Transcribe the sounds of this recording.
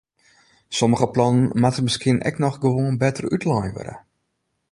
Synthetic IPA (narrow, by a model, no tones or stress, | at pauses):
sɔməɣəplɔnənmatəməskɪənʔɛ̰knɔχɡəʋoənbɛtərytlajʋø̰ɾə̰